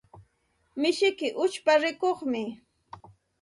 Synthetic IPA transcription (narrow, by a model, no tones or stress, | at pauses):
mɪʃɪkɪʔʊt͡ʃpaɾɪkoχmɪ